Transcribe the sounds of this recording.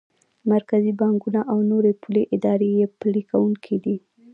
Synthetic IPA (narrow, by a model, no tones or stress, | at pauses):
maɾkazibɑŋɡunaʔawnoɾepuleʔɪd̪ɑɾejeplikawuŋkʰid̪i